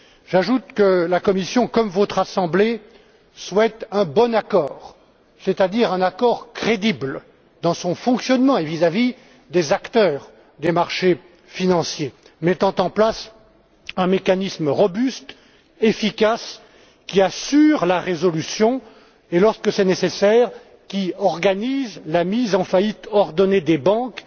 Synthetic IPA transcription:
ʒaʒut̪kəlakɔmisjɔ̃kɔmvɔt̪χasɑ̃ble | swɛt̪ɛ̃bɔnakɔːʁ | set̪ad̪iʁɛ̃nakɔʁkχed̪ibl | d̪ɑ̃sɔ̃fɔ̃ksjɔnmɑ̃evizavi | d̪ezakt̪œːʁ | d̪emaʁʃe | finɑ̃sje | mɛt̪ɑ̃t̪ɑ̃plas | ɛ̃mekanisməʁɔbyst̪ | efikas | kʲiasyʁlaʁezɔlysjɔ̃ | elɔʁskəsɛnesesɛʁ | kʲiɔʁɡanizlamizɑ̃fait̪ɔʁd̪ɔned̪ebɑ̃k

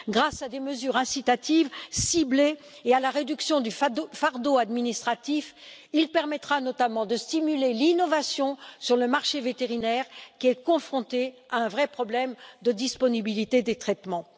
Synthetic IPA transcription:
ɡʁasad̪eməzyʁɛ̃sit̪at̪ivsibleː | alaʁed̪yksjɔ̃d̪yffaʁd̪oad̪minist̪χat̪ifilpɛʁmɛt̪χanɔt̪amɑ̃d̪əst̪imylelinɔvasjɔ̃syʁləmaʁʃevet̪eʁinɛʁkʲiɛkɔ̃fχɔ̃t̪eaɛ̃vʁɛpχɔblɛmd̪əd̪ispɔnibilit̪ed̪et̪χɛt̪mɑ̃

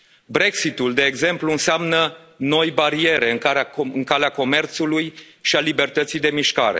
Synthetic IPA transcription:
bɾe̞ksit̪uld̪e̞ːɡze̞mpluɨnseamnə | no̞jbaɾie̞ɾeɨŋkaɨŋkaleako̞me̞rt̪suluj | ʃialibe̞rt̪ət̪sijd̪e̞miʃka̰ɾe̞̰

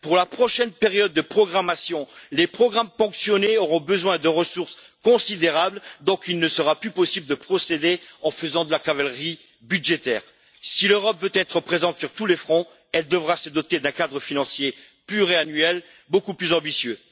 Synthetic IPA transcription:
puʁlapχɔʃɛnpeʁjɔd̪̚ːəpχɔɡʁamasjɔ̃lepχɔɡʁampɑ̃ksjɔneɔʁɔ̃bəzwɛ̃d̪əʁəsuʁs | kɔ̃sid̪eʁabld̪ɔ̃kilnəsəʁaplypɔsibləd̪əpχɔsed̪eɑ̃fəzɑ̃d̪əlakavalʁi | byd̪ʒet̪ɛːʁ | siløʁɔpvøt̪ɛt̪χəpχezɑ̃t̪syʁt̪ulefχɔ̃ | ɛld̪əvʁasəd̪ɔt̪ed̪ɛ̃kad̪ʁəfinɑ̃sje | pyʁeanɥɛl | bokuplyzɑ̃bisjø

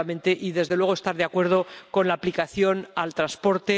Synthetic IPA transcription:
amẽ̞nt̪e̞ʔiðe̞zðe̞lwe̞ɣoe̞st̪aɾðeakwe̞ɾð̞o̞ko̞nlaːplikaθjo̞nalt̪ɾanspo̞ɾt̪e̞

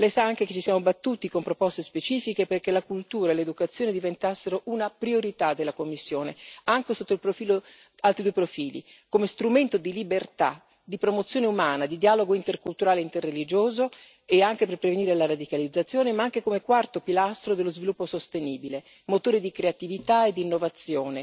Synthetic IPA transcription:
lɛjsaaŋk̟eket͡ʃːisjaːmobat̪ːuːt̪ikompɾopɔst̪espet͡ʃiːfikeperkelakult̪uːɾaeled̪ukat̪sːjoːned̪ivent̪asːeɾoʔunapɾioɾit̪ad̪ːelakomːisːjoːneaŋkesot̪ːoilpɾofiːlo | alt̪ɾid̪uepɾofiːlḭkomest̪ɾument̪od̪ilibert̪a̰ | d̪ipɾomot̪sːjoːneumaːnad̪id̪iaːloɡoint̪erkult̪uɾaːleint̪erːelid͡ʒoːzo | eaŋk̟eperpɾeveniːɾelaɾad̪ikalid̪zːat̪sːjoːnemaaŋk̟ekomekwart̪opilast̪ɾod̪elːozvilupːosost̪eniːbile | mot̪oːɾid̪ikɾeat̪ivit̪aed̪ːinːovat̪sːjoːne

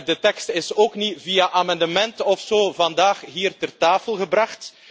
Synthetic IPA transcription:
dətɛkstɪsoːknivijaʔaːmɑndəmɛntɔfsoːvɑndaːxɦiːrtərtaːfəlˠɣəbrɑχt

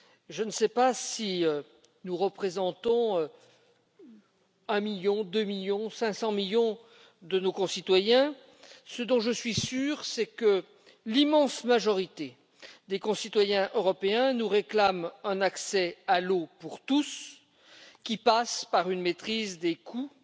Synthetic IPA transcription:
ʒənəsɛpasiø | nuʁəpχezɑ̃t̪ɔ̃ø | ɛ̃miljɔ̃d̪ømiljɔ̃sɛ̃sɑ̃miljɔ̃ | d̪ənokɔ̃sit̪wajɛ̃ | səd̪ɔ̃ʒəsɥisyːʁsɛkə | limɑ̃smaʒɔʁit̪e | d̪ekɔ̃sit̪wajɛ̃ʔøʁɔpeɛ̃nuʁeklamɛ̃naksɛalopuʁt̪us | kʲipaspaʁynmet̪χizd̪ekʰu

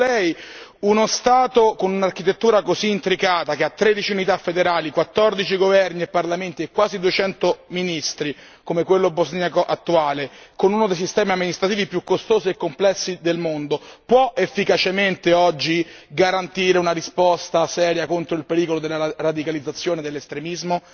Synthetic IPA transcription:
lɛjunost̪aːt̪okonunark̟it̪et̪ːuːɾakoziːnt̪ɾikaːt̪akeat̪ːɾed̪it͡ʃiunit̪afːed̪eɾaːlikwat̪ːɔrd̪it͡ʃiɡovɛrniepːarlament̪iekːwaːzid̪uet͡ʃɛnt̪ominist̪ɾi | komekwelːobozniakoʔat̪ːuaːlekonunod̪ejsist̪ɛːmiamːinist̪ɾat̪iːvipːjukːost̪oːziekːomplɛsːid̪elmond̪opwɔʔefːikat͡ʃement̪eɔd͡ʒːi | ɡaɾant̪iːɾeunaɾispɔst̪asɛːɾjakont̪ɾoilpeɾiːkolod̪elːaɾad̪ikalid̪zat̪sːjoːned̪elːest̪ɾemizmo

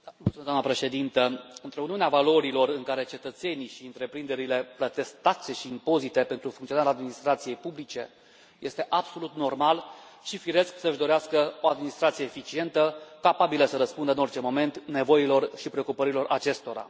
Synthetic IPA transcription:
mult̪uezd̪anəpɾe̞ʃe̞d̪int̪əɨnt̪ɾeuniuneavalo̞ɾilo̞rɨŋkaɾe̞t͡ʃe̞t̪ət̪se̞niʃiɨnt̪ɾe̞pɾind̪e̞ɾile̞plət̪e̞sk̚t̪at̪se̞ʃiːmpo̞zit̪e̞pe̞nt̪ɾufuŋt̪sionaɾad̪minist̪ɾat̪sije̞jpublit͡ʃe̞ | je̞st̪e̞ʔabso̞lut̪no̞rmalʃifiɾe̞sksəɨʒd̪o̞ɾeaskəo̞ad̪minist̪ɾat̪sijeːfit͡ʃie̞nt̪əkapabiləsəɾəspund̪əɨno̞rt͡ʃe̞mo̞me̞nt̪ne̞vo̞jilo̞rʃipɾeo̞kupəɾilo̞rʔat͡ʃe̞st̪o̞ɾa̰

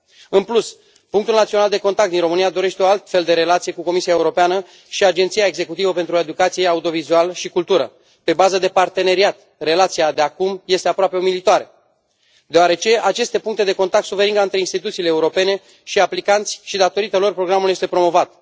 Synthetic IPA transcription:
ɨnplus | puŋkt̪ulnat̪sio̞nald̪e̞ko̞nt̪akt̪d̪inro̞mɨnijad̪o̞ɾe̞ʃt̪eo̞alt̪fe̞ld̪e̞ɾe̞lat̪sije̞kuko̞misiae̞uɾo̞peanə | ʃiad͡ʒent̪sijae̞ɡze̞kut̪ivəpe̞nt̪ɾue̞d̪ukat̪sije̞aud̪io̞vizualəʃikult̪uɾə̰ | pe̞bazəd̪e̞part̪e̞ne̞ɾiat̪ | re̞lat̪siad̪eakumje̞st̪e̞apɾoape̞omilit̪oaɾe̞ | d̪eoaɾe̞t͡ʃe̞at͡ʃe̞st̪e̞puŋk̚t̪e̞d̪e̞ko̞nt̪ak̚t̪suve̞ɾind̪aɨnt̪ɾeinst̪it̪ut̪siːleːuɾo̞pe̞ne̞ | ʃiaplikant̪sʲʃid̪at̪o̞ɾit̪əlo̞rpɾo̞ɡɾamuljest̪epɾo̞mo̞vat̪

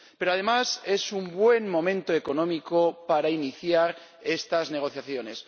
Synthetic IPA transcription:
pe̞ɾoað̞e̞mase̞sumbwe̞nmõ̞mẽnt̪oe̞ko̞nõ̞miko̞paɾainiθjaɾ | e̞st̪azne̞ɣ̞o̞θjaθjo̞ne̞s

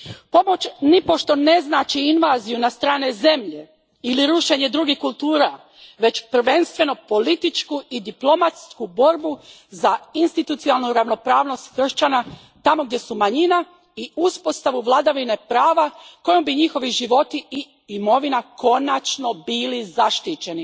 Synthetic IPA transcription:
po̞mo̞t͡ɕnipo̞ʃt̪o̞ne̞znaːt͡ʃiinʋaːzijunast̪ɾaːne̞ze̞mʎe̞ | iliɾuʃe̞ɲe̞d̪ɾuɡihkulˠt̪uːɾa | ʋe̞t͡ʃpr̩ʋe̞nst̪ʋe̞no̞po̞lit̪it͡ʃkuid̪iplo̞mat̪skubo̞ɾbu | zainst̪it̪ut̪sialˠnuɾaʋno̞pɾaːʋno̞st̪xr̩ʃt͡ɕana | t̪amo̞ɡ̚d̪je̞sumaɲina | iuspo̞st̪aʋuʋlˠad̪aʋine̞pɾaːʋako̞jombiɲixo̞ʋiʒiʋo̞t̪ii | imo̞ʋinako̞nat͡ʃno̞biːlizaʃt̪it͡ʃe̞ni

